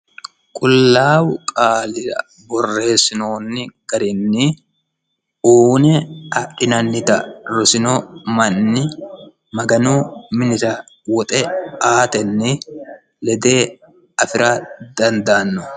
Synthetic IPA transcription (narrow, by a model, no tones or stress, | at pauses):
kʼʊlːaːwʊkʼaːlɪɾɐ̰ | bɔrːe̞ːsɪnoːnːɪɡ̥ɐɾɪnːɪ | uːnɛɐʔɪnɐnːɪt̪ɐɾɔsɪnɔmɐnːɪ | mɐɡɐnuːmɪnɪɾɐ | wɔt̪ʼɛaːt̪ɛnːɪ | lɛd̪e̞ː | ɐfɪɾad̪ɐnd̪aːnːɔ